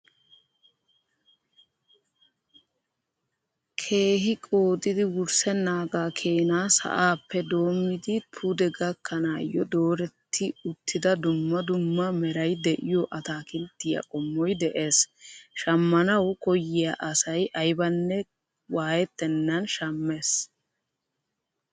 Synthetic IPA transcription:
kʰe̞ːɦɪkʼo̞ːt̪ʼɪd̪ɪwʊɾsɛnːaːɡaːkʰeːnaːsɐ̰ʔaːpːɛd̪o̞ːmːɪd̪ɪt̪ʰud̪ɛɡɐkːɐnaːjːɔd̪o̞ːɾɛt̪ʰːɪʊt̪ʰːɪd̪ɐd̪ʊmːɐd̪ʊmːɐmɛɾɐjd̪ɛʔɪjɔʔɐt̪aːkɪnt̪ːɪjɐ̰kʼɔmːɔjd̪ɛʔe̞ːsʃɐmːɐnɐwkɔjːɪjɐʔɐsɐjʔɐjbɐnːɛ | waːjɛt̪ːɛnːɐnʃɐmːe̞ːs

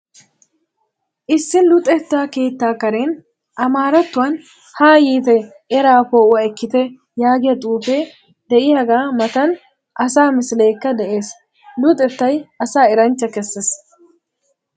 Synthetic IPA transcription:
ʔɪsːɪnlʊt̪ʼɛt̪ːaːke̞ːt̪ːaːkɐɾen | ʔɐmaːɾɐt̪ːʊwɐn | haːjiːt̪ɛ | ɛɾaːpoːʊɐɛkːɪt̪ɛ | jaːɡɪjɐt̪ʼuːfɛ | d̪̥ɛʔɪjɐɡaːmɐt̪ɐn | ʔɐsaːmɪslejkːɐd̪ɛʔe̞ːs | lʊt̪ʼɛt̪ːɐjɐsaːɛɾɐnt͡ʃːɐkɛsːɛs

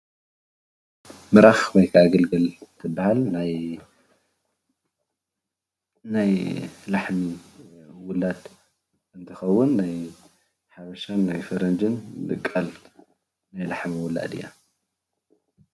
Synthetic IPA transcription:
mɨɾaxbɐjkʰaaɡɐlɡɐlt̪ʰɨbːahalnaj | najlaħmi | wʊlad̪ | ɨnt̪ʰɐxɐwːʊnːaj | ħaβɐʃanːajfɐɾɐnd͡ʒɨnlɨ̰kʼːɐl | najlaħmiwʊla̰d̪ḭjːa̰

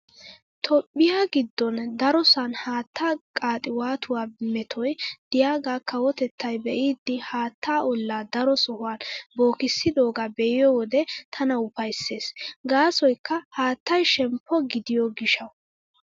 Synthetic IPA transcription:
t̪ʰɔpʼːɪjaɡɪd̪ːɔnd̪ɐɾɔsɐnhaːt̪ʰːaːkʼaːt̪ʼɪwaːt̪ʊwaːmɛt̪ʰɔjd̪̥ɪjaːɡaːkːɐwɔt̪ɛt̪ːɐjbɛʔid̪ːɪhaːt̪ːaːʔɔlːaːd̪ɐɾɔsɔhʊwaːnboːkɪsːɪd̪oːɡabɛʔɪjɔwɔd̪ɛt̪ʰɐnɐʊpɐjsːe̞ːsɡaːsɔjkːɐhaːt̪ːɐjʃɛmpʰːɔɡɪd̪ɪjɔɡɪʃɐw

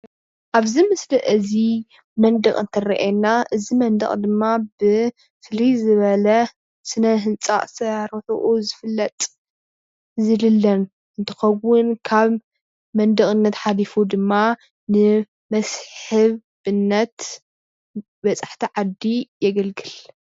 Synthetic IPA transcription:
ʔaβzimɨsliʔɨzi | mɐnd̪ɐχʼɨnt̪ʰɐrɐ̰ʔenːaʔɨzimɐnd̪ɐ̰χʼd̪ɨmːabɨ | flizɨβɐlɐ | sɨnɐɦɨnt͡sʼa̰ʔʼsɐaɾot̪ʰo̰ʔuzɨfɨlːɐt̪ʼ | zɨlɨlːɐn | ʔɨnt̪ʰɨ̥xɐwːʊnkʰaβ | mɐnd̪ɐχʼɨnːɐt̪ħalifud̪ɨmːa | nɨ | mɐsħɨβ | ɨnːɐt̪ | bɐt͡sʼaħt̪ʰiʕad̪ːijɛɡɐlɡɨl

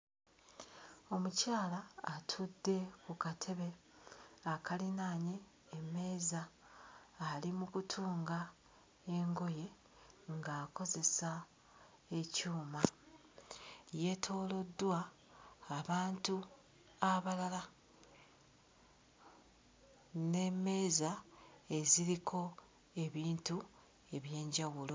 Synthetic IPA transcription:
o̞mucaːlaːtʰudːe̞kukatʰe̞βe̞ | akalinaːɲe̞ː | me̞ːzaː | limukutʰuːŋɡa | e̞ŋɡo̞je̞ | ŋɡaːko̞ze̞sa | e̞cuːma | je̞tʰo̞ːlo̞dːwaː | βaːntu | aβalala | ne̞me̞ːzae̞ziɾikʰo̞ | e̞βiːntu | e̞βje̞ːɲɟawulo̞

